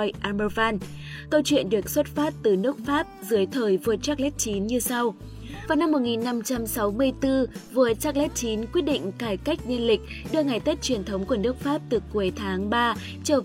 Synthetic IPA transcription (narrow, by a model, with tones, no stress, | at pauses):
jʔaː˧mə˧vaː˧n | kə˧wt͡ɕwḭ˧˨ənɗɨ˨˩ək̚swə˦˥t̚faː˦˥t̚t̪ɨ˨˩nɨ˦˥ək̚faː˦˥p̚zɨ˨˦əjt̪ʰəː˨˩jvu˧˩ət̚t͡ɕaː˦˥k̚lɛ˦˥t̚t͡ɕi˨˦nɲɨ˧sa˧w | vaː˨˩wna˧mːo˨˩t̚ŋi˨˩nːa˧mt͡ɕa˧msa˨˦wmɨ˧əjt̪ɨ˧vu˧˩ət̚t͡ɕa˦˥k̚lɛ˦˥t̚t͡ɕi˨˦nkwi˦˥ət̚ɗḭ˧˨ŋ̟kaː˧˩jka˦˥jk̟̚ɲə˧nlï˨˩k̟̚ɗɨ˧əŋa˨˩jt̪e˦˥t̚t͡ɕwi˨˩ənt̪ʰə˨˦wŋ͡mku˧˩ənɨ˦˥ək̚faː˦˥p̚t̪ɨ˨˩ku˨˦əjt̪ʰaː˨˦ŋɓaː˧ | t͡ɕəː˧˩